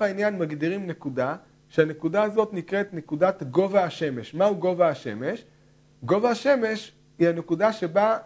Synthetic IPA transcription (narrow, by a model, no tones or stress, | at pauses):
ainjanmaɡdiʁimne̞kuda | ʃeane̞kudaazo̞tnikʁe̞tne̞kudatɡo̞vaːʃe̞meʃmauɡo̞vaːʃe̞̰me̞ʃ | ɡo̞vaaʃe̞me̞ʃ | hihane̞kudaʃeba